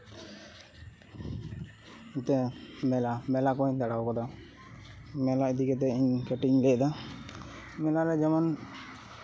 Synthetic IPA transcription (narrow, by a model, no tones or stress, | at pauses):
it̪ɛmɛlamɛlakɔiɲd̪aɽawkɔd̪a | mɛlaid̪ikɛt̪̬ɛiɲkɛʈiɲlɛd̪a | mɛlaɾɛd͡ʒɛman